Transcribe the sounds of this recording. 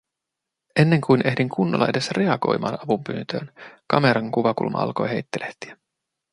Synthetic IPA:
ʔe̞nːe̞ŋkujnʔe̞ɦdiŋkʰunːolːɑ̰ede̞sre̞ɑɡo̞̰jmɑ̰ːnɑʋumpyːnt̪ø̰ːnkɑme̞ɾɑŋkuʋɑkṵlmʔɑ̰ʔɑ̰lko̞jɦe̞jt̪ːeleht̪iæ

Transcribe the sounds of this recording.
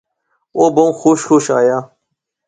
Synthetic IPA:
oːbɐmːxoːʃxoːʃa̰ːjaː

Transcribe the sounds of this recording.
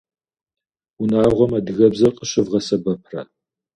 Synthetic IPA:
unaːʁʷɔmaːdɨɣɐbzɐrqʼəɕɪvʁɐsɐbɐp̚ʰrɐ̰

